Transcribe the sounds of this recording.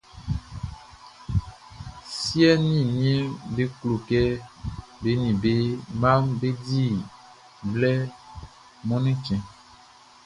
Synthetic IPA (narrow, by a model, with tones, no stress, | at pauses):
si˦ɛ˦nĩ˦˨nĩ˦ɛ˦be˦klo˨kɛ˦ | be˨˦nĩ˨be˦mã˦mbe˦di˦˨ | blɛ˦ | mɔ̃˦nĩ˦t͡ʃɛ̃˨